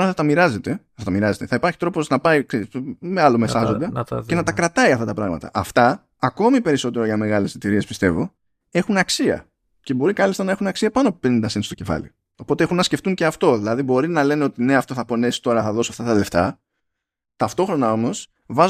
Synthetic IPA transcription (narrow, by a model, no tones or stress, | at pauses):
t̪oɾɐθɐt̪ɐmiɾɐze̞t̪e̞ | θɐt̪ɐmiɾɐze̞t̪eθɐipɐɾçi̥t̪ɾo̞po̞znɐpɐiksemeɐlomesɐzo̞nd̪ɐce̞nɐt̪ɐkɾɐt̪ɐiɐft̪ɐt̪ɐpɾɐɣmɐ̰t̪ɐ̰ʔɐft̪ɐː | ko̞mipe̞ɾiso̞t̪e̞ɾoʝɐme̞ɣɐle̞sθit̪iɾiespi̥st̪e̞̰vo̞ | e̞xunɐksiɐ̰ | ce̞bo̞ɾikɐlist̪ɐnɐexunɐksiɐpɐnoɐpupenind̪ɐsinst̪o̥ce̞fɐ̰lḭ | o̞po̞t̪eexunːɐsceft̪uɲce̞ɐft̪o̞ðilɐðibo̞ɾinɐle̞neo̞t̪ine̞ɐft̪oθɐpo̞ne̞si̥t̪o̞ɾɐθɐðo̞sɐft̪ɐt̪ɐle̞ft̪ɐ̰ | t̪ɐft̪o̞xɾo̞nɐo̞mo̞s | vɐz